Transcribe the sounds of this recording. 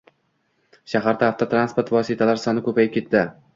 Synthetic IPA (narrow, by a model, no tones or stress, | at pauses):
ʃaɦaɾd̪aːft̪ʰat̪ʰɾanspoɾt̪vɒsɪt̪ʰalaɾsɒnɪkʰɵpajɪp̚kʲe̞t̪ːɪ